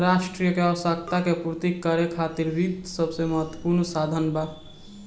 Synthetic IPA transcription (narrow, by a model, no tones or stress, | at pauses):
ɾaːʃʈɾijəkeɔʋsakt̪akepuɾt̪ikːəɾekʰaːt̪iɾɾiːd̪səbseməɦət̪wəpuɾnsaːd̪ʱənba